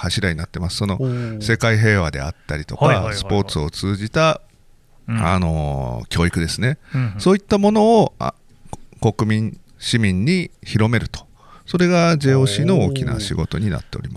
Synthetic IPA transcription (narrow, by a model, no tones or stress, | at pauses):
haɕiɾaɲ̟inat̪ːe̞masɨ̥so̞no̞se̞kaiɦe̞ːβad̪e̞̰at̪ːaɾʲit̪o̞̰kasɨ̥po̞ːt͡sɨo̞t͡sɨːʑit̪a | a̰no̞̰kʲo̞ːikɯ̟d̪e̞sɨne̞so̞ːit̪ːamo̞no̞̰ː | ko̞kɯ̟mʲĩ | ɕimʲĩɲ̟ːiçiɾo̞me̞ɾɯ̟t̪o̥ | so̞ɾe̞ɡad͡ʑe̞ːo̞ːɕiːno̞oːkʲina̰ɕiɡo̞t̪o̞̰ɲ̟ina̰t̪ːe̞o̞̰ɾʲima